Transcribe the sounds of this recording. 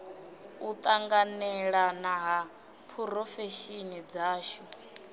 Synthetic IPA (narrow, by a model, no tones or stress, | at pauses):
ut̪ʼaŋɡanɛɺanaɦa | pʰuɾɔfɛʃinid͡zaːʃɔ